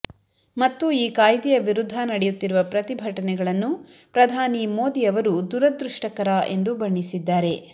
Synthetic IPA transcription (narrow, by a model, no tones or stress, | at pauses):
mɐt̪ːuiːkaːjd̪ijɐʋiɾud̪ʱːanɐɽɛjut̪ːiɾuʋɐpɾɐt̪ibʱɐʈɐnɛɡɐɭɐnːu | pɾɐd̪ʱaːnimo̞ːd̪ijɐʋɐɾud̪uɾɐd̪ɾuʂʈɐkɐɾae̞nd̪ubɐɳːisid̪ːaːɾe̞